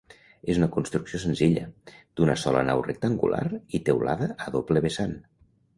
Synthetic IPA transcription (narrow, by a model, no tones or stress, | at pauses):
ezunəkunst̪ɾuksiosenziʎə̰d̪̥unəsɔlə̰nawrek̚t̪əŋɡṵlʔa̰rit̪ewla̰ðəːðopleβesan